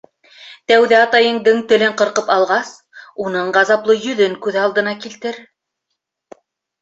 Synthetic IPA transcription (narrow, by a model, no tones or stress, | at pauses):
t̪æwðæɑt̪ɑjɤ̆ɴd̪ɤɴt̪ɵ̆lɘɴqɤ̆ɾqɤpɑlˠʁɑs | unɤɴʁɑzɑplˠɤjɵ̆ðɵŋkʉðɑlˠd̪ɤ̆nɑkilt̪ɘɾ